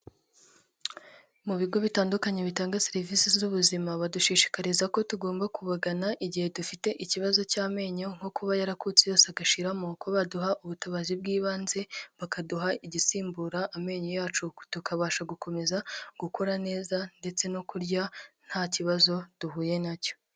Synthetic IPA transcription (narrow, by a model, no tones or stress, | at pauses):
muβiɡo̞βitaːndukaɲe̞βitaːŋɡaseɾivisizuβuzimaβaduʃiːʃi̥kaɾizako̞tuɡo̞ːmbakuβaɡanaʔiɟihe̞dufite̞ʔiciβazo̞caːme̞ːɲo̞ŋ̥ɡo̞kuβajaɾakut͡sejo̞ːseaɡaʃiɾamokʰoβaduɦaʔuβutaβazib̚ɡiːβaːnze̞βakaduɦaiɟisiːmbuɾaʔːme̞ːɲo̞jaːt͡ʃutukaβaːʃaɡuko̞me̞zaɡ̥ukoɾane̞ːzande̞t͡se̞no̞kuɾɟan̥haːciβazo̞d̥uɦuːje̞naco